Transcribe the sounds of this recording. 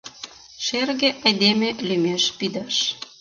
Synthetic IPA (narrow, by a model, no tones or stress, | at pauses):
ʃerɣeʔɑjd̪emelymeʃpid̪ɑʃ